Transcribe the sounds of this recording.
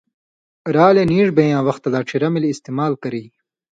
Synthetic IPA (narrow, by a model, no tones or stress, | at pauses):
ɾaːleniːʐbejãːwɐxt̪ɐlaːʈ͡ʂʰiɾɐmilːst̪emaːlkɐɾiː